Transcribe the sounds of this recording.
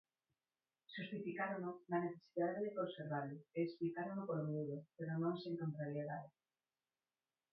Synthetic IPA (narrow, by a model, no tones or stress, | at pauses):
ʃust̪ifikaɾoŋnʊnɐneθe̥siðaðeðɪkonseɾβalʊeːksplikaɾonʊpoɾomuðʊpeɾonõŋseŋkont̪ɾaɾjeðaðɪ